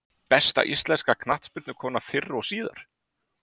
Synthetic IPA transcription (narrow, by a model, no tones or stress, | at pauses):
pɛst̪a̰ʔist̪lɛnskakʰnaht̪spʏɾt̪nʏkʰɔːnafɪrːɔsiːða̰ɾ̥